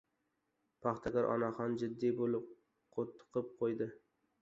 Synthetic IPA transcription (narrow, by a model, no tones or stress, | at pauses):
pʰɑχt̪ʰakaɾʔɒ̰naχɒnd͡ʒɪd̪ːijbolɪp | qʰot̪ʰːɨ̥qʰɨp̚qʰojd̪ɪ